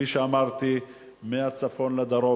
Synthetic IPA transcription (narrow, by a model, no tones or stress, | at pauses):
iʃeamaʁt̪i | meat͡safo̞nlad̪aɾo